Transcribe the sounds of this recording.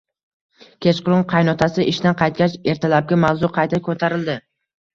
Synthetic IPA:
kʲʰet͡ʃqʊlˠʊnqʰɑjnɒt̪ʰasɪʔɪʃt̪anqʰɑjt̪̚kʲat͡ʃe̞ɾt̪ʰalap̚ɡʲamawzʊqʰɑjt̪ʰakʲʰɵt̪ʰaɾɪld̪ɪ

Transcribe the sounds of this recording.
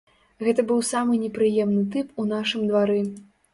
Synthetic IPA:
ɣɛt̪ɐbɨwsamɨnʲɛpɾɨjɛmnɨt̪ɨpunaʂɨmd̪vaɾɨ

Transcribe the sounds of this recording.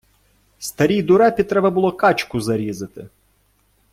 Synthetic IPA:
st̪ɐɾʲijd̪ʊɾɛpʲit̪ɾɛbɐbʊlˠɔkɑt͡ʃkʊzɐɾʲizɪt̪ɪ̰

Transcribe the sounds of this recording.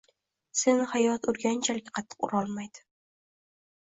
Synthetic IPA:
senhajɒt̪ʊɾɡʲant͡ʃʰalɡʲaqʰɑt̪ʰːɨ̥qʊ̰ɾɒlˠmajd̪̥ɪ̥

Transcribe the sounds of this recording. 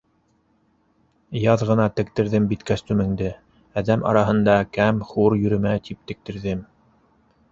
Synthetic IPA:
jɑðʁɤ̆nɑt̪ɘ̆k̚t̪ɘ̆ɾðɘmbit̪kæst̪ʉmɘ̆ŋd̪ɘ | æðæmʔɑ̰ɾɑɦɤ̆nd̪ɑkæmχuɾjɵ̆ɾɵ̆mæt̪ip̚t̪ɘ̆k̚t̪ɘ̆ɾðɘm

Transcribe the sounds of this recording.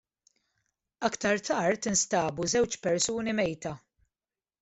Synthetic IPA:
ɐkt̪ɐɾt̪ɐːɾt̪ɪnst̪ɐːbuzɛwt͡ʃpɛɾsuːnimɛjt̪ɐ

